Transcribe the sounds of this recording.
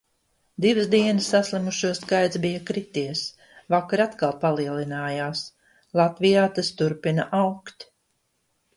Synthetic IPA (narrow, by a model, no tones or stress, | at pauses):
d̪ivɨzd̪iɛnəsːaslˠimuʃuɔskajt̪sbijakɾit̪iɛs | vakaɾat̪kalˠpalˠiɛlinaːjaːs | lˠat̪vijaːt̪ast̪uɾpinaʔawkt̪